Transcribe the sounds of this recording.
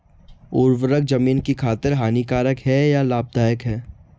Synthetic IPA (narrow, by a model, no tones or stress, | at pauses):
ʊːɾʋəɾək̚d͡ʒɐmiːnkikʰaːt̪ɪɾɦaːnikaːɾəkɦɛjalaːb̚d̪aːjəkɦɛː